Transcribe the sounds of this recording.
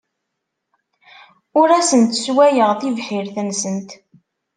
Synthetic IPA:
ʊɾæsənt̪swæjəʁθivħiɾθənsənt̪

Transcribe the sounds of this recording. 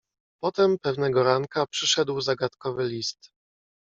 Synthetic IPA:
pɔt̪ɛmpɛvnɛɡɔɾaŋkapʂɘʂɛd̪wzaɡat̪kɔvɘlʲist̪

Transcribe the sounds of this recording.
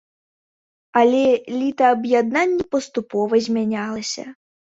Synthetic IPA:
ɐlʲɛlʲit̪ɐɐbjad̪nanʲːipɐst̪upɔvɐzʲmʲanʲalˠɐsʲɐ̰

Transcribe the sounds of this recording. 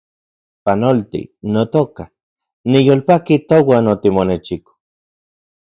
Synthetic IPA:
panolt̪ḭnot̪oka | nijolpakit̪owanot̪imonet͡ʃiko̥

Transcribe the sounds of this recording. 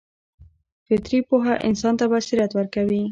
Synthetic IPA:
fet̪ɾipoɦaʔɪ̰nsɑnt̪abasiɾat̪waɾkaβi

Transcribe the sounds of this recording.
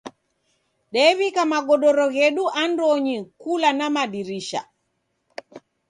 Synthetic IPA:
ɗɛβikamaɡɔɗɔɾɔɣɛɗuʔandoɲikulanamaɗiɾiʃa̰

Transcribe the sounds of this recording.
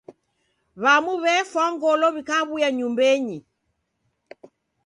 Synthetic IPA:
βamuβɛfwaŋɡɔlɔβikaβujaɲumbɛɲi

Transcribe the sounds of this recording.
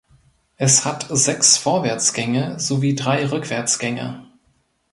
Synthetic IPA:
ʔɛshatz̥ɛksfoːɐvɛɐt͡sɡ̥ɛŋəzoviːdʁaɪʁʏkv̥ɛɐt͡sɡ̥ɛŋə̰

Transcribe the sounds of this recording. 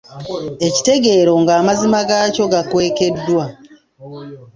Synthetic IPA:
e̞ci̥te̞ɡe̞ːɾo̞ŋɡaːmazimaɡaːco̞ɡakwe̞ːke̞dːwa

